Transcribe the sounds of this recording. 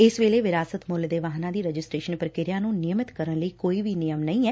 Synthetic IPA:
ɪsʋeːleːʋɪɾaːsət̪mʊld̪eːʋaːɦnãːd̪iːɾəd͡ʒɪsʈɾeːʃənpəɾkɪɾjãːnũːnɪjəmɪt̪kəɾənləiːkoːiːʋiːnɪjəmnəĩːɛː

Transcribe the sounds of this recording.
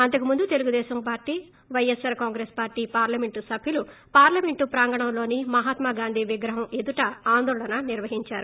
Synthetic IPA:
ɐnt̪ɐkimund̪ut̪e̞luɡud̪ɛːʃɐmpaːɾʈːiː | ʋɐjesɐɾkaːŋɡɾeːspaːɾʈiːpaːɾlɐme̞ɳʈusɐbʱjulu | paːɾlɐme̞ɳʈupɾaːŋɡɐɳɐmlo̞ːnimɐɦaːt̪maːɡaːnd̪ʱiːʋiɡɾɐɦɐmed̪uʈɐaːnd̪ɔːɭɐnɐniɾʋɐɦiɲt͡ʃaːɾu

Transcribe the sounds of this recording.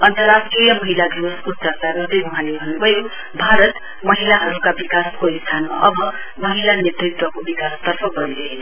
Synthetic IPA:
ʌnt̪ʌɾasʈrijʌmʌɦilaɡruʌskosʌrkarɡʌrd̪ʌjmʌɦãlebʱʌnubʱʌjo | bʱaɾʌt̪ | mʌɦilaɦʌɾukabikaskoist̪ʰanma̰ʔʌbʌ | mʌɦilanʌt̪rit̪wʌkobikast̪ʌrpʰʌɡʌɾiɾʌɦenʌ

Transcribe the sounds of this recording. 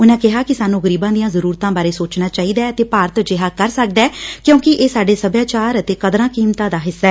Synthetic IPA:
ʊnãːkɪɦaːkɪsaːnũːɣəɾiːbãːd̪ijãːzəɾuːɾt̪ãːbaːɾeːsoːt͡ʃnaːt͡ʃaːiːd̪aːɛət̪eːpaːɾət̪d͡ʒɪɦaːkəɾsək̚d̪aːkjõːkɪʔeːsaːɖeːsəbjaːt͡ʃaːɾət̪eːkəd̪ɾãːkiːmt̪ãːd̪aːɦɪsːaɛː

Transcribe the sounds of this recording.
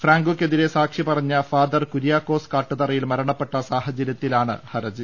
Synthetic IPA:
fraːŋɡokʲːe̞ðiɾe̞saːkʂipɐrɐɲːɐfaːd̪ɐrkuɾijaːkːo̞ːskaːʈːɨt̪ɐrɐjilmɐɾɐɳɐpːe̞ʈːɐsaːhɐd͡ʑɐɾjɐt̪ːilaːɳɨ̰hɐɾɐd͡ʑɨ

